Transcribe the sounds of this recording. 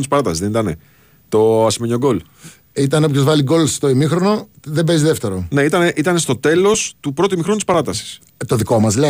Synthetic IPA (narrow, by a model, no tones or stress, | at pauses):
t̪ispɐɾɐt̪ɐsizðenit̪ɐne | t̪o̞ɐsimeɲo̞ɡo̞l | it̪ɐnepçozvɐliɡo̞lst̪oimixɾo̞no̞ðe̞bezðe̞ft̪eɾo̞ne̞it̪ɐneʔit̪ɐne̞st̪ot̪e̞lo̞st̪upɾo̞t̪uimixɾonut̪ispɐɾɐt̪ɐsi̥s | t̪o̞ðiko̞mɐzle